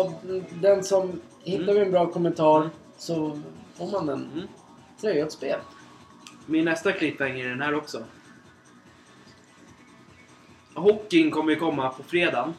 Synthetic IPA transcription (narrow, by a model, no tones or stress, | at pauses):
ɔd̪ɛnsɔm | hɪt̪ːavɛɛnbɾɑːkʰɔmːɛnt̪ʰɑːɾ | sɔfoːɾmanɛn | t̪ʰɾœʏat̪speːl | mɪnːɛst̪akʰlɪpːaɪŋɛɖɛnhæːɾɔksɔ | hɔkːɪŋkʰɔmːəkʰɔmːapʰɔfɾeːd̪aːn